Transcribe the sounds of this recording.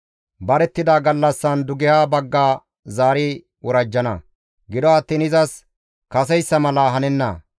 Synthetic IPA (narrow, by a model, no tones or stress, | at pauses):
bɐɾɛt̪ːɪd̪aːɡɐlːɐsːɐnd̪ʊɡɪhaːbɐɡːaː | zaːɾi | wɔɾɐd͡ʒːɐnɐ̰ | ɡɪd̪ɔɐt̪ːiːnɪzɐs | kɐsɛjsːɐmɐlaːɦɐnɛnːɐ̰